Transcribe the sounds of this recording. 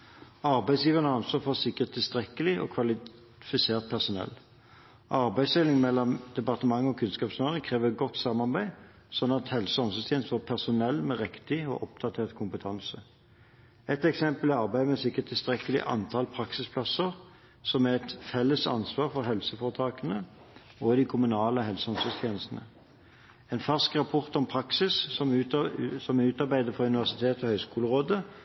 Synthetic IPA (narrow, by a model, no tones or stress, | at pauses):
ɑɾbæɪsjiːʋəʁnəɑnsʋɑːfɔʁsɪkːəʁt̪ʰːɪlst̪ʁɛkːəlɪʔɔ̰kʰʋɑlɪ | fɪseːʁt̪̚pʰæʁsʊnɛ̰lː | ʔɑʁbæɪsɛlɪŋmɛlːɔmd̪̥ɛpɑʁt̪əmɑŋːɔkʰʉnskɑːpsnɑːʁɪŋkʰʁeːʋəʁɛɡɔt̪ːsɑmɑʁbæɪ | sɔnːɑt̪hɛlsəɔmsɔst̪ʰɛnst̪ʋɑpʰæʁsʊnɛlːmɛʁɛkt̪ɪɔ̰ʔɔp̚d̪̥ɑt̪ʰeːʁt̪kʰʊmpət̪ʰɑnsə | ɛt̪ɛksɛmpəlɪɑʁbæɪmɛsɪkːət̪ʰːɪlst̪ʁɛkːəlɪ̰ʔɑ̰nt̪ʰɑːlpʰɾɑksɪspʰlɑsəʁ | sɔmæɛt̪fɛlːəsɑ̰nsʋɑːʁfɔʁɦɛlsəfoːʁət̪ʰɑːkənə | oːd̪ɪkʰʊmʉnɑːləɦɛlsəɔnsœst̪ʰjeːnəst̪nə̰ | ɛːnfɑʁskʁɑpʰɔʁt̪ɔmpʰɾɑksɪs | sɔmæʉːt̪ɑʁbæɪd̪əfɔʁʉnɪʋæʁsɪt̪ʰeːt̪ɔhœʏskuːləʁoːd̪ə